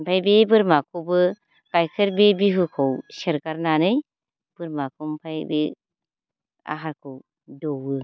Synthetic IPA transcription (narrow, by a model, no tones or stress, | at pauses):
mpʰajbebɯɾmakʰobɯ | ɡ̥ajkʰɯɾbebiɦɯkʰɔwseɾɡaɾnanɯj | b̥ɯɾmakʰɯmpʰajbe | a̰ɦaɾkʰow | dɔwɯ